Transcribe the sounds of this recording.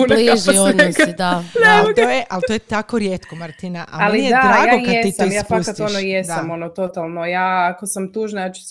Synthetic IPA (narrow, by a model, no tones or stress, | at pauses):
unʒionid̪anlt̪ojeʔalt̪ojet̪akoɾjeːt̪komaɾt̪inaʔa̰laliijead̪ɾaːjaɡokjaesit̪oimjaːfasat̪onojesd̪sd̪aamo̞not̪ot̪alˠnojaːakosamt̪uːʒnajaːt͡ʃu̥s